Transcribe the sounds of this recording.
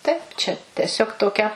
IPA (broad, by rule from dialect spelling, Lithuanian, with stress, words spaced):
ˈtɐɪp t͡ʃʲɛ tʲɛˈsʲoːk toːˈkʲɛ